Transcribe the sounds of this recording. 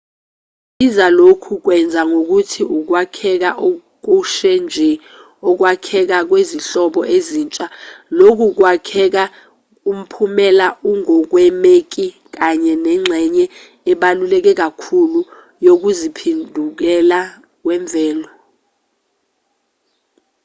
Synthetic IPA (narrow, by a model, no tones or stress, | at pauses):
izalokʰuk̬wɛnd͡zʱaŋok̬utʰiuk̬wakʰɛk̬aʔo | k̬uʃɛnd͡ʒʱɛ | ɔk̬wakʰɛk̬ak̬weziɬɔɓɔʔezint͡ʃʼalok̬uk̬wakʰɛk̬a | kum̩pʰumɛlauŋɔk̬wɛmek̬i | k̬aɲɛnɛŋ͡ǁʱɛɲɛː | ɓalulɛk̬ɛk̬akʰulu | jok̬uzipʰindʱuk̬ɛla | k̬wɛɱb̪vʱɛːlɔ